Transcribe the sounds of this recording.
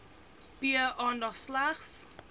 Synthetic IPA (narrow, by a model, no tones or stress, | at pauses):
b̥iəʔɔndɔslaχs